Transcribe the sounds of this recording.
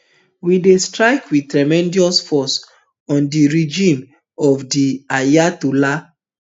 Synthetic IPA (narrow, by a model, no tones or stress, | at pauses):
widestɹaɪkʰwid̚tɹamɛ̃ndiɔsfɔs | ɔ̃ndiɹid͡ʒĩm | ɔvdiajatula